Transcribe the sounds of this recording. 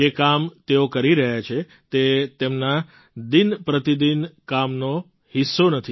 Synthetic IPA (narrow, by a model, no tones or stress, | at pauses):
d͡ʒekamt̪eokəɾiɾəɦjat͡ʃʰe | t̪et̪emna | d̪inpɾət̪id̪inkamno | hisːonət̪ʰi